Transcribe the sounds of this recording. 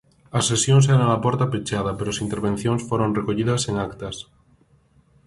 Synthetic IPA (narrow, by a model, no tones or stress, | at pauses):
asːesjoŋs̬ɛɾanalapoɾt̪apet͡ʃaðapeɾoasint̪eɾβẽn̟θjoŋsfoɾõnrekoʎiðaseŋakt̪as